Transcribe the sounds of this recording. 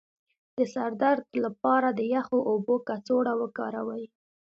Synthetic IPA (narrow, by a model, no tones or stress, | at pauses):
d̪̥əsaɾd̪aɾd̪lapɑɾad̪əjaxoʔobokat͡soɽawəkɑ̰ɾawəji